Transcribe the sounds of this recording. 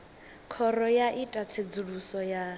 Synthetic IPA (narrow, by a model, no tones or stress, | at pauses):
kʰɔɾɔjaʔitʼat͡sʰed͡zuɺusɔja